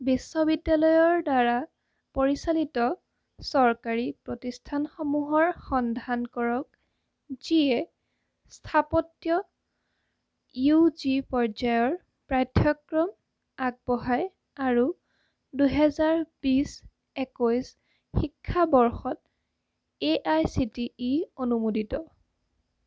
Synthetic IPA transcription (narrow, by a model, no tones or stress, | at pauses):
bisːɔbidːjalɔjɔɹdaɹa | poɹisalitɔ | sɔɹkaɹipɹɔtistʰanxɔmuɦɔɹxɔndʱankɔɹɔk̚ | z̥iɛ | stʰapɔtjɔ | juzipɔɹzajɔɹ | pɹatʰjɔkɹɔm | aɡ̚bɔɦaj | aɹu | duɦɛzaɹb̥is | ɛkojs | xikʰːabɔɹxɔt̚ | eʔajsitiːonumoditɔ